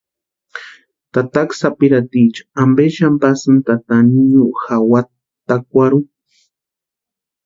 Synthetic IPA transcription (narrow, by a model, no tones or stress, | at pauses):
t̪at̪aksapiɾat̪it͡ʃḁambeʃampasɨnt̪at̪aniɲuʔxawa | t̪ak̚ʷaɾu